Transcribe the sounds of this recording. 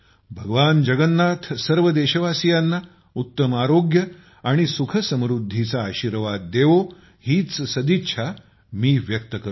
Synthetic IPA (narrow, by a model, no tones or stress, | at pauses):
bʱəɡəʋand͡ʑəɡənːat̪ʰsəɾʋəd̪eɕəʋasijanːa | ut̪ːəmaɾoɡjə | aɽ̃isukʰəsə̃mɾud̪ʱːit͡saːɕiɾʋad̪ːeʋo | hiːt͡ssəd̪itːɕʰa | miːʋjək̚t̪əkə